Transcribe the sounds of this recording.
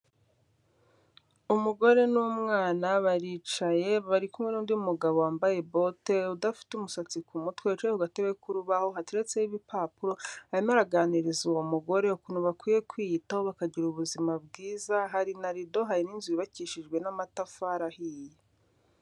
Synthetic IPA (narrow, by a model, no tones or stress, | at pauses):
umuɡo̞ɾe̞nuːmŋaːnaβaɾiːt͡ʃaje̞βaɾikumŋenuːndiumuɡaβowaːmbaje̞bo̞te̞udafi̥tumusat͡sikumutwet͡ʃehuɡateβwekuɾuβaho̞ɦatiɾet͡seiβipapuɾo̞aɾimaɾaɡaːniɾizuwo̞muɡo̞ɾe̞ukunuβakwiːje̞kwijitaho̞βakaɟiɾuβuzimab̚ɡiːzaɦaɾinaɾido̞ɦaɾininzujiβaciːʃiʒɡwe̞namatafaɾahiːje